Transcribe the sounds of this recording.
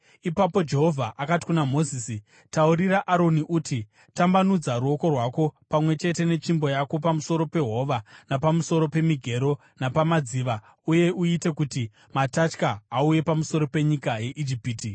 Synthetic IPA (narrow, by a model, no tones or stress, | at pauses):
ipapo̞d͡ʒe̞ɦo̞vʱaʔakati̥kunamo̞ziːsi | tauɾiɾaʔaɾo̞niʔuti | tambanud͡zaɾuo̞ko̞rwako̞pamwe̞t͡ʃe̞te̞ne̞t͡ʃimbo̞jako̞pamuso̞ɾo̞pe̞ɦo̞ʋanapamuso̞ɾo̞pe̞miɡʱe̞ɾo̞ | napamad͡ziʋa | uje̞ʔuite̞kuti | matat͡ʃkaauje̞pamuso̞ɾo̞pe̞ɲikaje̞ʔid͡ʒipiːti